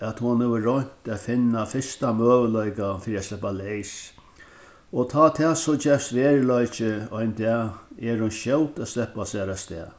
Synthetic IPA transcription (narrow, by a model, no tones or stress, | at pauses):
ɛt̪hʊnhɛʋəɾɔɲ̥t̪afɪnːafɪst̪amøːʋəlœjkafiːɾiaslɛpːalejs | ɔt̪ʰaːt̪ʰɛːsɔd͡ʒɛfsʋeːɹlɔjt͡ʃɪɔjnt̪ɛːɛɾhʊnʃɛwt̪at̪slɛhpːasɛːɾast̪ɛ̰ː